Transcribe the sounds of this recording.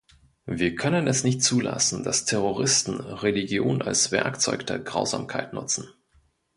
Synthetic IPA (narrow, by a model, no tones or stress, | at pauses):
viːɐkʰœnənɛsnɪçtt͡suːla̰sn̩d̥astʰɛʁ̞oʁ̞ɪstn̩ʁeliɡjoːna̰lsv̥ɛɐkt͡sɔʏkd̥ḛːɐɡʁaʊza̰ːmkʰaɪtnʊ̰t͡sn̩